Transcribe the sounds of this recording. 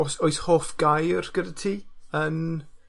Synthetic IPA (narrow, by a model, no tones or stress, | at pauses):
ɔsoɨshoːfɡ̥ajrɡ̥ədatʰiːən